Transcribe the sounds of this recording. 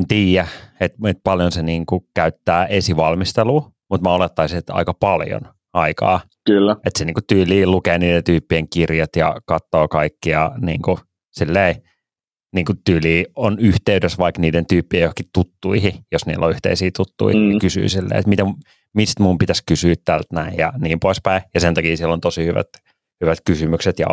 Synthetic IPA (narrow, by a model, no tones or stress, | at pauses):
ent̪iːjæet̪et̪̚pɑljonseniːŋkukæyt̪ːæːʔesiʋɑlmist̪eluː | mut̪mɑolet̪ːɑisit̪ɑ̰ikɑpɑljo̰n | ɑikɑ̰ː | kylːæet̪seniːŋkut̪yːliːlukeːniːdent̪yːpːieŋkirjɑt̪jɑ̰kɑt̪ːoːkɑikːijɑnḭːŋku | silːei | niːŋkut̪yːliːonyht̪eydøsʋɑikniːdent̪yːpːiejohkit̪ut̪ːuihijosnḭːlːo̰yht̪ḛisiːt̪ut̪ːṵinikysy̰ːsilːḛḭet̪mit̪æ | mist̪mumpit̪æskysyːt̪t̪ælt̪næijjɑniːmpoispæijɑsent̪ɑkiːsilːont̪osihyʋæ̰t̪ | hyʋæt̪kysymykset̪jɑ̰